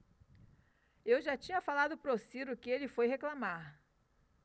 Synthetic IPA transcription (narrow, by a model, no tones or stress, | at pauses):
ewʒat͡ʃĩɲɐfalad̪ʊpɾosiɾʊkɪelɪfojheklamaɾ